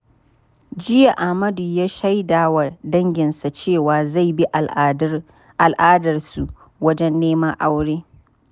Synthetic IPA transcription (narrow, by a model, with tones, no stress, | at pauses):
d͡ʒɪ˦ja˨ʔa˨hmɐ˦du˨jaː˦ʃa˦jdaː˨wa˨dɐ˦ŋɡʲɪ˨nsa˨t͡ʃeː˦˨waː˨za˦˨jbi˦ʔ | a˨lʔaː˦dɐ˨rsu˨ | wɐ˦d͡ʒɛ˦nːeː˦ma˦ʔa˦wɽeː˦